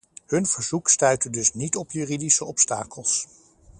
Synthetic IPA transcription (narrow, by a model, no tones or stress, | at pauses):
hɵnv̥əɹz̥ukstœɥtədɵsnitɔpjyːridisəɔpsta̰ːkəlˠs